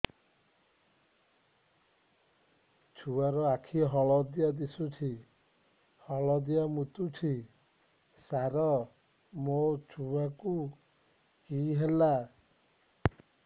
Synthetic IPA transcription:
t͡ʃʰuwaɾɔakʰiɦɔɭɔd̪iad̪isut͡ʃʰi | hɔɭɔd̪iamut̪ut͡ʃʰi | saɾɔ | mot͡ʃʰuaku | kiɦela

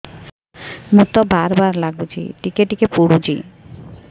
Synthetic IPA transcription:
mut̪ɔbaɾbaɾlaɡud͡ʑḭʈikeʈikepuɽud͡ʑḭ

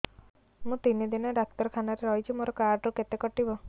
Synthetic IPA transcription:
mũt̪inid̪inɔɖak̚t̪ɔɾkʰanaɾeɾɔɦjt͡ʃʰimoɾɔkaɾɖuket̪ekɔʈibɔ

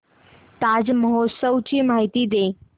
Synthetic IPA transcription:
t̪aːd͡ʑməɦoːsəwt͡ɕimaːɦit̪id̪ẽ

